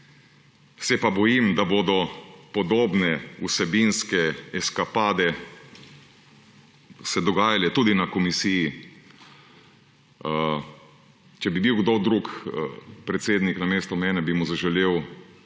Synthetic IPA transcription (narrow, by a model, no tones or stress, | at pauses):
sɛpabɔjimd̪abod̪ɔpɔd̪oːbnɛusɛbinskɛɛskapaːd̪ɛ | sɛd̪ɔɡaːjalɛt̪ud̪inakɔmisiji | t͡ʃɛbibiwɡd̪od̪ɾuk | pɾɛt̪seːd̪niknameːst̪ɔmɛːnɛbimuzaʒɛleːw